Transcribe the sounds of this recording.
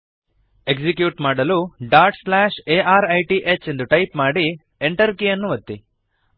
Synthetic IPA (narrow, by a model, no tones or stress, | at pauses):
e̞ɡd͡ʒikjuːʈmaːɽɐluɖaːɾʈslaːʃeʔaːɾɐjʈiʔet͡ʃːe̞nd̪uʈɐjpmaːɽi | eɳʈɐɾkijɐnːuʋɐt̪ːi